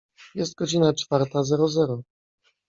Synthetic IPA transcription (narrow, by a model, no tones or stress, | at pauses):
jɛst̪̚ɡɔd͡ʑinat͡ʂfaɾt̪azɛɾɔzɛɾɔ